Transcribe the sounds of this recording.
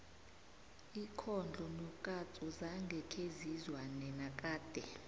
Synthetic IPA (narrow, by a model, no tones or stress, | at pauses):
ikʰɔnd͡ɮʱɔnɔkʼat͡sʼɔzaŋɡʱɛkʰezizwanɛnakʼaːd̥ʱɛ